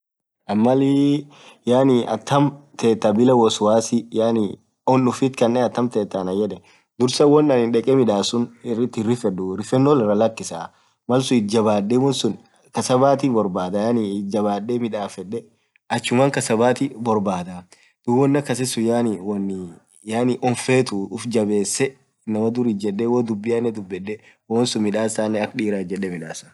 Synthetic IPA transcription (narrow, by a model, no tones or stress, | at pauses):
ʔɐmːɐli | jaːnɪʔɐ̰t̪ːɐmt̪ʰeːt̪ːabɪlɐwɔsʊwaːsɪjaːnɪ | ɔnːʊfɪt̪kɐnːeːnɐt̪ːɐmt̪eːt̪ːanɐjɛᶑɛ | d̪ʊɾsɐwɔnːɐnɪnᶑɛkʼɛmɪᶑaːsʊnrɪt̪ːɪrːɪfɛdːʊɾɪfɛnːoːlɪrːɐlɐkːɪsa | mɐlsʊɪt̪̚d͡ʒɐbaːdːeːwɔnsʊn | kɐsɐbaːt̪ɪbɔɾbaːd̪ɐjanɪd͡ʒɐbaːdːemɪᶑaːfɛᶑɛ | ɐt͡ʃːʊmaːŋkɐsɐbaːt̪ɪbɔɾbaːt̪ɐ | d̪̥ʊwɔnːɐkːɐs̬ɛsːʊjaːnɪwɔnː | jaːnɪʔɔɱfeːt̪ʊʊfd͡ʒɐbe̞ːsːɛ | nɐmɐd̪ʊɾid͡ʒɛᶑːewoːd̪ʊbːɪjanːɛd̪ʊbːɛᶑːɛ | woːnsʊnmɪᶑaːsaːnːɛɐkᶑiːɾaːd͡ʒɛᶑːɛmɪᶑaːsɐ̥